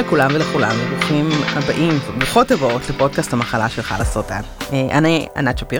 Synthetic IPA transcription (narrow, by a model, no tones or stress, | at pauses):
lekulamvelekulamliʁuχimha̰baʔimvbaχotːavootlepo̞d̚kasthamaχalaʃelχa̰lasotaneʔa̰nia̰nat͡ʃapi